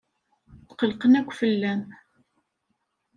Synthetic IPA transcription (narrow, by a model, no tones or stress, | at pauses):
θqəlqənækʷːfəlːæn